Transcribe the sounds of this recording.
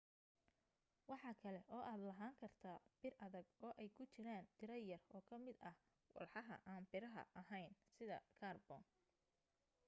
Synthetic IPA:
wɑħɑːkʰɐlɛʔɔːʔaːd̪lɐɦaːŋkʰɐrt̪ʰaːb̥ɪrɐðɐɡɔːʔɛjkʰʊt͡ʃɪɾaːnd̪ɪɾɐjɐrɔːkʰɐmɪd̪ɐh | wɑ̰lħɑɦɐ̰ʔaːnbɪɾɐɦɐ̰ʔɐɦɛjnsɪðɐ̰kʰaːrbɔ̰ːn

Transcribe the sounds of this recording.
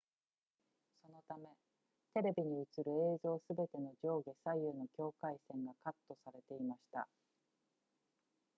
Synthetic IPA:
so̞no̞t̪ame̞ | t̪e̞ɾe̞bʲiɲ̟iɯ̟t͡sɨɾɯ̟e̞ːzo̞ːsɨbe̞t̪e̞no̞d͡ʑo̞ːɡe̞saiɯːno̞kʲo̞ːkaisẽ̞ŋɡakat̪ːo̞saɾe̞t̪e̞imaɕi̥t̪a̰

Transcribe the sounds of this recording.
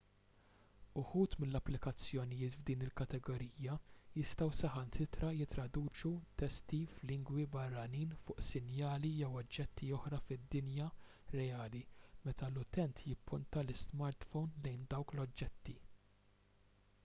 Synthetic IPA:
ʊħuːt̪mɪlːɐpːlɪkɐt͡sːjɔnɪjɪːt̪vd̪iːnɪlkɐt̪ɛɡɔɾiːjɐjɪst̪ɐwsɛħɐnsɪt̪ɾɐjɪt̪ːɾɐd̪uːt͡ʃut̪ɛst̪iflɪŋɡwibɐrːɐniːnfʊːʔsɪnjɐːlijɛwɔd͡ʒːɛt̪ːiɔħɾɐfɪd̪ːɪnjɐ | ɾɛjɐːlimɛt̪ɐlʊt̪ɛnt̪jɪpːʊnt̪ɐlɪsmɐɾt̪fɔwnlɛjnd̪ɐwklɔd͡ʒːɛt̪ːi

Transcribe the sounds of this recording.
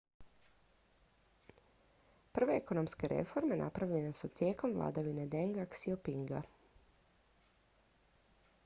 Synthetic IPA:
pr̩ʋe̞eko̞no̞mske̞ɾʔe̞̰fo̞ɾme̞na̰pɾaʋʎe̞nesut̪je̞ːko̞mʋlˠa̰ːd̪aʋine̞d̪eŋɡaksiopiŋɡa̰

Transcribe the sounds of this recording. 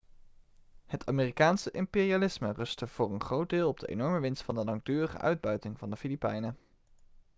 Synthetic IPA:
hətʰa̰ːmiːrikaːnsəʔɪmpɪːrialɪsmərɵstəv̥ʊːrənχrowd̚dɪːlˠɔb̚də̰ʔḛjnɔɹməʋɪnstfɑndəlɑŋ̚dyːrəχə̰ʔœ̰ɥd̚bœɥtɪŋvɑndəfilipɛjnə

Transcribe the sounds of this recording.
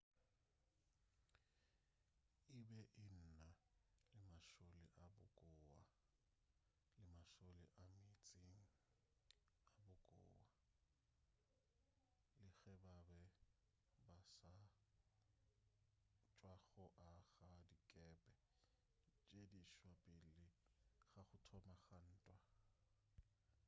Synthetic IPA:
ɪbɛʔɪn̩nalɪmaʃolɪʔabʊ̰kʼʊwa | lɪmaʃolɪ̰ʔamɪt͡sʼeŋ̩ | abʊkʼʊ̰ːwa | lɪɣɛbabɛ | basa | t͡ʃʼwaɣɔʔaɣadikʼɛpʼɛ | t͡ʃʼediʃwapʼɪlɪχaχʊtʰɔmaχan̩ːtʼwa

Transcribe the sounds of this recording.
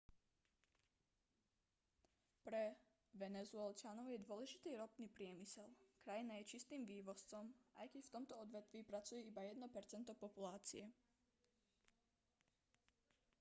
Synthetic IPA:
pɾɛ | ʋɛnɛzʊɛlt͡ʃanɔʊjɛd̪ʊɔlɛʒit̪iːɾɔpniːpɾɪɛmisɛlkɾajinajɛt͡ʃist̪iːmʋiːʋɔst͡sɔmʔa̰jkɛcft̪ɔmt̪ɔɔd̪ʋɛt̪ʋiːpɾat͡sujɛibajɛd̪nɔpɛɾt͡sɛnt̪ɔpɔpulaːt͡siɛ

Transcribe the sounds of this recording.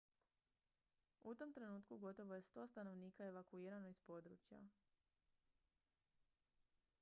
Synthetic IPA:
ut̪o̞mt̪ɾe̞nuːt̪kuɡo̞t̪o̞ʋoje̞st̪o̞ːst̪ano̞ʋniːkae̞ʋakuiːɾano̞ispo̞d̪ɾṵːt͡ɕja̰

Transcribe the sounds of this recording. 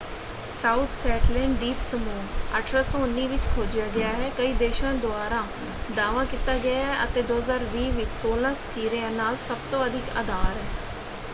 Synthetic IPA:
saːuːt̪ʰsɛːʈlɛ̃ːɳɖɖiːpsəmuːəʈʰɾaːsõːʊnːiːʋɪt͡ʃkʰoːd͡ʒɪjaːɡɪjaːɦɛːkəiːd̪eːʃãːd̪ʊaːɾãː | d̪aːʋãːkit̪aːɡɪaːɦːɛʔə̰t̪eːd̪oːɦəzaːɾʋiːʋɪt͡ʃsoːlãːsə̥kiːɾeãːnaːlsəbt̪õːəd̪ʱɪkə̰d̪aːɾɦɛː

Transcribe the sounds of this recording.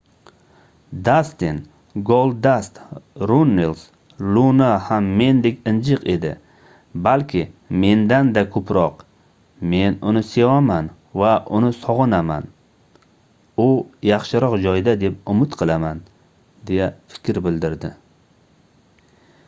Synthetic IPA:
d̪ast̪in | ɡolˠd̪ast̪ɾunːels | lunahamːe̞nd̪e̞kʲɪnd͡ʒɨqe̞d̪ɪ̰ | balkʲʰɪme̞nd̪and̪akʰɵpɾɒq | me̞nʊnɪse̞waman | vaʔʊnɪsɒʁɨnama̰n | ʊjɑχʃɪɾɒqd͡ʒɒjd̪ad̪e̞p̚ʊmɪt̪qʰɨlˠaman | d̪e̞jafɪ̥kʲʰɾbɪld̪ɪɾd̪ɪ

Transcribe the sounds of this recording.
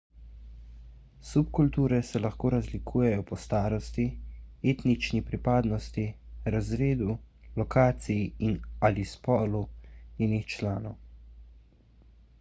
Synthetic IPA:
supkult̪uːɾɛsɛlaxkoːɾazlikʰuːjɛjɔpɔst̪aːɾɔst̪ieːt̪nit͡ʃnipɾipaːd̪nɔst̪iɾazɾeːd̪ulɔkaːt̪sijiinalispɔːluneːnixt͡ʃlaːnɔw

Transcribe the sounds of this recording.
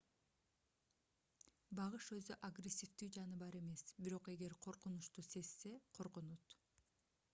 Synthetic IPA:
bɑʁɯʃø̞zyʔaɡrʲesʲːift̪yːd͡ʒɑnɯbɑɾe̞me̞sbiɾo̞qe̞ɡe̞ɾqʰo̞ɾqunuʃt̪use̞sːe̞qʰo̞ɾqunut̪

